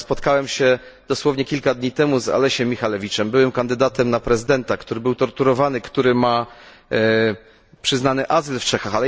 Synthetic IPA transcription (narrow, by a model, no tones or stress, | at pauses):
spɔt̪kawɛmɕɛ | d̪̥ɔswɔvɲɛkʲilkad̪ɲit̪ɛmuza̰lɛɕɛmʲixalɛvʲit͡ʂɛmbɘwɛmkand̪ɘd̪at̪ɛmnapɾɛzɘd̪ɛnt̪akt̪uɾɘbɘwt̪ɔɾt̪uɾɔvanɘkt̪uɾɘma | pʂɘznanɘʔazɘlft͡ʂɛxaxalɛ